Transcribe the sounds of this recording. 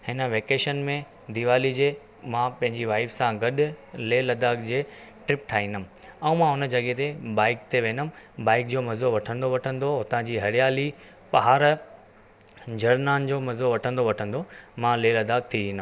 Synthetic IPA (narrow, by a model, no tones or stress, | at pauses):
hɪnə̆ʋeːkeːʃənmẽ | d̪iʋaːlid͡ʑeː | mãpɐ̃ɦɪ̃ɲd͡ʑiʋaːɪfsãɡɐɗʊleːlɐd̪aːkd͡ʑeː | ʈɾɪp̚ʈʰaːɦĩːnd̪əm̃ | ɛ̃ũmãɦʊnə̆d͡ʑɐɠet̪ebaːɪkt̪ʰeʋẽːnʊmbaːɪk̚d͡ʑoːmɐzoʋɐʈʰə̃nd̪oʋɐʈʰə̃nd̪oɦʊt̪ãd͡ʑiːɦɐɾɪjaːli | pɐɦaːɾ | d͡ʑɐɾnaːnd͡ʑoːmɐzoʋɐʈʰə̃nd̪oʋɐʈʰə̃nd̪omãleːlɐd̪aːk̚t̪ʰiʋĩːnd̪a